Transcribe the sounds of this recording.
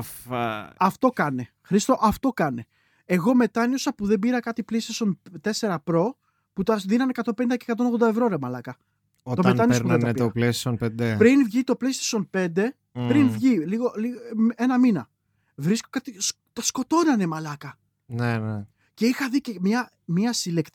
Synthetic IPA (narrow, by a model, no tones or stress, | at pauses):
fɐft̪o̞kɐne̞ | xɾist̪o̞ʔɐft̪o̞kɐne | eɣo̞me̞t̪ɐnjosɐpuðe̞mbiɾɐkɐt̪iplist̪eso̞nt̪e̞se̞ɾɐpɾo̞ | put̪ɐðinɐne̞kɐt̪o̞mpenind̪ɐcekɐt̪o̞noɣðod̪ɐevɾoɾemɐlɐkɐ | ot̪omet̪ɐnispuðed̪epiɐplessonpend̪epɾinvʝit̪o̞plist̪e̥so̞npe̞nd̪e̞ | pɾinvʝiliɣolienɐminɐ̰ | vɾiskokɐt̪is | t̪ɐsko̞t̪o̞nɐne̞mɐlɐkɐ | nene | ce̞ixɐðicemɲɐ | miɐsilekt̪